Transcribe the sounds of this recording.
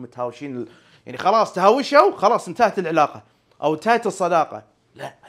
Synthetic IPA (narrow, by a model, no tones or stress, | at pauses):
mʊt̪haːwʃiːnɪ | ja̰ʕnixɑlɑːsˤt̪haːwɪʃawxɑlɑːsˤnt̪aːʕt̪ɪlʕɪlɑːqɑ | ʔawnt̪aːht̪ɨsˤːɑd̪ɑːqɑ̰ | la